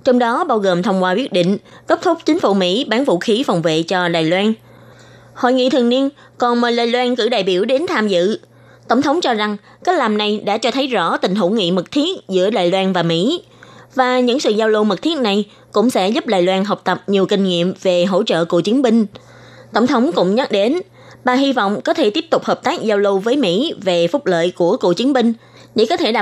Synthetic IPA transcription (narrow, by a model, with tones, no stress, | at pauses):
t͡ɕɔ˧wŋ͡mɗɔ˨˦ɓaː˧wɣo˨˩mt̪ʰə˧wŋ͡mkwaː˧wi˦˥t̚ɗḭ̈˧˨ŋ̟kə˦˥p̚t̪ʰʊ˦˥k͡p̚t͡ɕï˨˦ŋ̟fu˧˩˥mḭ˧˥ɓaː˨˦nvṵ˧˨xi˨˦fwŋ͡mvḛ˧˨t͡ɕɔ˧ɗaː˨˩jlwaː˧n | ho̰˧˨jŋḭ˧˨t̪ʰɨ˨˩ni˧ən | kɔ˨˩nmo˨˩j̚laː˧˨jlwaː˧nkɨ̰˧˩ɗa̰ː˧˨jɓi˧˩əwɗe˨˦nt̪ʰaː˧mzɨ̰˧˨ | t̪ə˧˩wŋ͡mt̪ʰə˨˦wŋ͡mt͡ɕɔ˧za˨˩ŋ | kaː˦˥k̚laː˨˩mna˨˩jɗa̰ː˧˥t͡ɕɔ˧t̪ʰə˨˦jzɔ̰˧˥t̪ï˨˩ŋ̟ɦo̰˧˩ŋḭ˧˨mɨ˨˩k̚t̪ʰi˦˥ək̚zɨ̰˧˥əɗa̰ː˧˨jlwaː˧nvaː˨˩mḭ˧˥ | vaː˨˩ɲɨ̰˧˥ŋsɨ̰˧˨zaː˧wlo˧mɨ˨˩k̚t̪ʰi˦˥ək̚na˨˩j | kʊ̰˧˥ŋ͡msɛ̰˧˥zʊ˦˥p̚ɗa̰ː˧˨jlwaː˧nɦə˨˩wk͡p̚t̪ə˨˩p̚ɲi˨˩əwkï˧ŋ̟ŋḭ˧˨əmve˨˩ɦo̰˧˥t͡ɕə̰ː˧˨ko̰˧˨t͡ɕi˨˦ənmï˧ŋ̟ | t̪ə˧˩wŋ͡mt̪ʰə˨˦wŋ͡mkʊ̰˧˥ŋ͡mɲə˦˥t̚ɗe˨˦n | ɓaː˨˩ɦi˧va̰˧˨wŋ͡mkɔ˨˦t̪ʰe˧˩t̪i˦˥əp̚t̪ʊ˨˩k͡p̚həː˨˩p̚t̪aː˦˥k̚zaː˧wlo˧wvəː˨˦jmḭ˧˥ve˨˩fʊ˦˥k͡p̚lə̰ː˧˨jku˧˩əko̰˧˨t͡ɕi˨˦ənmï˧ŋ̟ | ɗḛ˧˩kɔ˨˦t̪ʰe˧˩ɗa˨